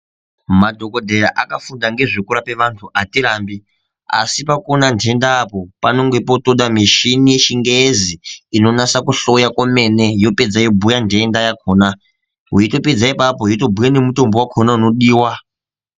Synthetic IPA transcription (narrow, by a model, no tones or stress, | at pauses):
madʱo̞ko̞dʱe̞ɾaʔakafundaŋɡe̞ʐekuɾape̞ʋantʰuʔatiɾaːmbi | a̰sipakonantʰe̞ndaːpo̞pano̞ŋɡe̞po̞toɗamiʃinijeʃiŋɡeziino̞nasakuɬo̞jakome̞ne̞jo̞ped͡zajibʱujandendajakʰoːna | ɦuito̞ped͡zaipapoɦuito̞bʱujane̞muto̞mbo̞wakʰonauno̞ɗiːwa